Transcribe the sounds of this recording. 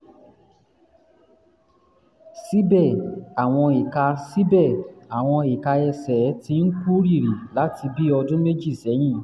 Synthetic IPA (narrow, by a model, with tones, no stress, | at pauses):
si˦bɛ˦˨a˨w̃ɔ̃˧i˨ka˧si˦bɛ˦˨a˨w̃ɔ̃˧i˨ka˧ɛ˧sɛ˨˦tĩ˧˦n̩˦ku˦ɾi˦˨ɾi˨la˨˦ti˧bi˦ɔ˧dũ˦me˦d͡ʒi˦˨sɛ˨˦j̃ĩ˦